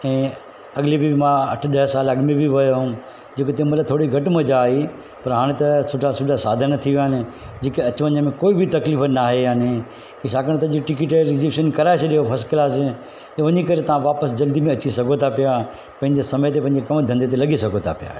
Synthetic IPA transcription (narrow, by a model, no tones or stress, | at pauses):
ɛ̃ː | ɐɠɪlibʱimãɐ̰ʈʰɗɐɦsaːlɐɠmebʱiʋɐjoɦũ | d͡ʑeːkot̪ẽmɐlat̪ʰoːɽiɡʱɐʈmɐd͡ʑaːɦi | pɐɾɦaːɽ̃t̪ɐsʊʈʰasʊʈʰasaːd̪ʱənt̪ʰiʋijaːɦɪnɪ̆ | d͡ʑeːkeɐt͡ɕʋɐ̃ɲəmẽkoːibʱɪt̪ɐkliːfənaːɦejaːne | kiʃaːkəɽ̃t̪ɐd͡ʑiʈɪk̬ɪʈeɾɪziʃənkɐɾaːɪseɗijofʰɐskɪlaːsɪ | ʋɐɲikɐɾet̪ɐʋ̤ãʋaːpəsd͡ʑɐld̪imẽɐt͡ɕisɐɡʱot̪ʰapija | pɐ̃ɦɪ̃ɲd͡ʑesɐməjt̪epɐ̃ɦɪ̃ɲd͡ʑekɐmd̪ʱɐ̃nd̪et̪̬elɐɠisɐɡʱot̪ʰapija̰ː